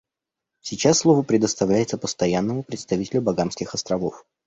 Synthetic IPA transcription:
sʲɪt͡ɕasːlˠovəpɾʲɪd̪əst̪ɐvlʲæjɪt̪səpəst̪ɐjanːəmʊpɾʲɪt̪st̪ɐvitʲɪlʲʊbɐɡanskʲɪxɐst̪ɾɐvof

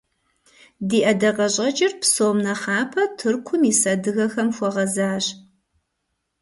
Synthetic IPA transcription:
diːʔɐdɐqɐɕʼɐd͡ʒɪrpsoːmnɐχɑːpʰɐtʰɨrkʷʰʊmisɐdɨɣɐxɐmxʷɔʁɐzaːʑ

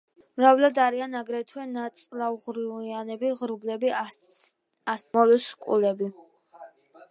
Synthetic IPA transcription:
mɾavlad̪aɾianaɡɾɛt̪ʰwɛnat̪sʼlaʁɾiianɛbiʁɾublɛbi | asmɔlɛskʼṵlɛbi

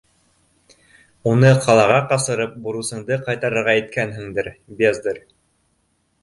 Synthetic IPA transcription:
unɤqɑlˠɑʁɑqɑsɤ̆ɾɤp̚buɾusɤ̆ɴd̪ɤqɑjt̪ɑɾɤ̆ɾʁɑjɘ̆t̪̚kænɦɘ̆ŋd̪ɘɾbezd̪ɤɾ

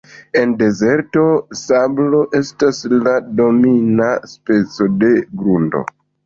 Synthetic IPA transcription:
e̞nde̞ze̞ɾto̞sablo̞ʔe̞staslado̞minaspe̞t͡so̞de̞ɡɾundo̞̰

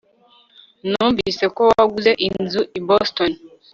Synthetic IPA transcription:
nuːɱvisekowaɡuzeʔinzuʔibɔston

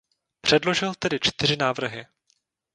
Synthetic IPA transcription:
pr̝̥ɛdlo̞ʒɪlt̪ɛdɪt͡ʃt̪ɪr̝ɪnaːvr̩ɦɪ

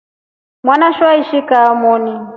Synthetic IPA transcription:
mwanaʃwaiʃikaːmɔːni

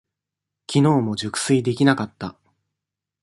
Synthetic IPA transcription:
kʲino̞ːmo̞d͡ʑɨkɯ̥sɨid̪e̞kʲinakat̪ːa

